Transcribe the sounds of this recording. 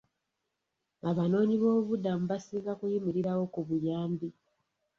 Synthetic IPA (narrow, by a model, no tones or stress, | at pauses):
aβano̞ːɲiβo̞ːβudamuβasiːŋɡakujimiɾiɾawo̞kuβujaːmbi